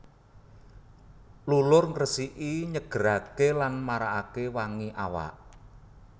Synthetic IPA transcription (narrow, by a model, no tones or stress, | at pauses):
lulʊrŋrəsiʔiɲəɡ̥əɾakelanmaɾaʔakewaŋiʔawa̰ʔ